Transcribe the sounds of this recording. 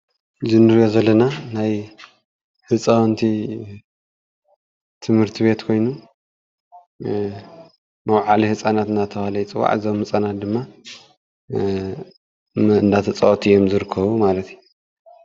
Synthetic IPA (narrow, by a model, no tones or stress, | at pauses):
zɨnɨɾijozɐlːɐnanaj | hɨt͡sʼawnt̪ʰi | t̪ʰɨmhɨɾt̪ʰiβe̞t̪kʰo̞jnu | mɐwʕalihɨt͡sʼanat̪ɨnat̪ʰɐβalɐjt͡sʼɨwa̰ʕzomhɨt͡sʼanat̪̚d̪ɨmːa | ɨnd̪at̪ʰɐt͡sʼɐʔt̪ʰijo̞mzɨɾɨkʰːɐβumalɐt̪ju